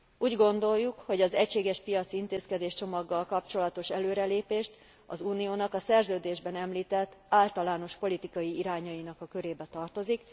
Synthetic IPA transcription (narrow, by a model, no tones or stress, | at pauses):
ʔuːɟɡo̞nd̪o̞jːukho̞ɟɒzɛcʃeːɡɛʃpijɒt̪sint̪eːskɛd̪eːʃt͡ʃo̞mɒɡːɒlkɒpt͡ʃo̞lɒt̪o̞ʃɛløːɾɛleːpeːʃt̪ | ɒ̰zuːnijoːnɒkɒsɛrzøːd̪eːʒbɛnɛmliːt̪ɛt̪ːaːlt̪ɒlaːno̞ʃpo̞lit̪ikɒjiiɾaːɲɒinɒkɒkøɾeːbɛt̪ɒrt̪o̞zik